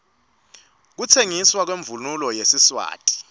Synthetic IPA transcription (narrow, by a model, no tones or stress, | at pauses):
k̬utʰeŋiswak̬weɱvululɔjesiswa̰ːtʼi̥